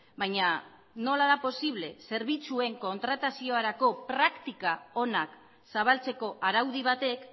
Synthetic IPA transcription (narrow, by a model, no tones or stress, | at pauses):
bajɲa | no̞laðapo̞siβ̞le̞se̞ɾβ̞it͡sue̞ŋko̞nt̪ɾat̪asio̞aɾako̞pɾakt̪ikao̞nak | saβ̞alt͡se̞ko̞ʔaɾawðiβ̞at̪e̞k